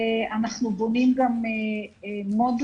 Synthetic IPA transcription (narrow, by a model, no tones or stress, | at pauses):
anaχnubonimɡame | mod̪